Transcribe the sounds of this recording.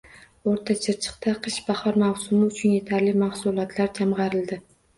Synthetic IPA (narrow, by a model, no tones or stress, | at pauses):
oɾt̪ʰat͡ʃʰɪɾt͡ʃʰɨ̥qt̪ʰaqʰɨʃb̥ahɒɾmawsʊmɪʊt͡ʃʰʊnje̞t̪ʰaɾlɪmahsʊlˠɒt̪ʰlaɾd͡ʒamʁɑɾɪld̪ɪ